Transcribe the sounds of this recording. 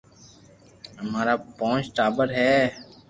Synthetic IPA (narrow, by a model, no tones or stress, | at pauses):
ɦəmaːɾaːpɔ̃ːt͡ʃʈaːbəɾɦɛː